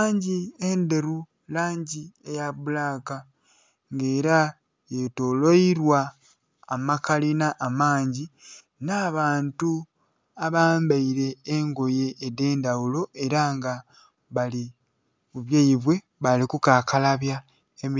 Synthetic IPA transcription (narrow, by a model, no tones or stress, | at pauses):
ɲɟiende̞ɾu | laːɲɟiejaβulaka | ŋɡe̞ːɾa | je̞toloiɾwaː | makalinaʔːmaːɲɟi | naːβaːntu | aβaːmbaiɾe̞ːŋɡo̞je̞ːde̞ːndawulo̞ʔe̞ɾaŋɡa | βali | kuβjaiβwe̞ | βalikukaːkalaβja | emi